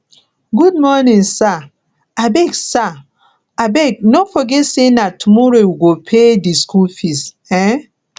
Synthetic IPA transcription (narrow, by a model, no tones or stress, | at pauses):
ɡud̚mɔnĩnsa | abɛɡsa | abɛɡ̚nofɔɡɛtsenatumɔɾowiɡopʰediskulfist | ɛ